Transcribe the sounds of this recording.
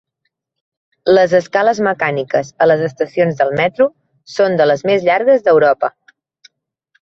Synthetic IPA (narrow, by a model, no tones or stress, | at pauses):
ləzəskaləzməkanikəzələzəst̪əsionzðəlˠmɛt̪ɾu | sond̪ələzmezʎaɾɣəzðəwɾɔpə